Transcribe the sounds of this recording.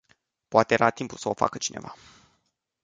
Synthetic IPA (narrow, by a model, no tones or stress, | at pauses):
poat̪eeɾat̪impulsəo̞fa̰kət͡ʃine̞̰va